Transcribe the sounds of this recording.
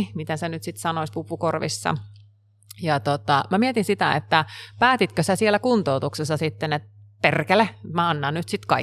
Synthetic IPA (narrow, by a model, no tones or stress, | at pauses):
mit̪æsenyt̪sit̪sɑnoispupukorʋḭsːɑ̰ | jɑt̪ot̪ɑmæmiet̪insit̪æ̰ḛt̪ːæpæːt̪it̪køsæsielækunt̪out̪uksesːɑsit̪ːenet̪̚perkelemæɑnːɑnnyt̪sit̪kɑi